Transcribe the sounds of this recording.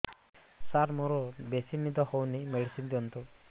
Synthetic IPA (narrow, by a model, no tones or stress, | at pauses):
saɾmoɾɔbesinid̪ɔhɔwnimeɽisind̪iɔnt̪u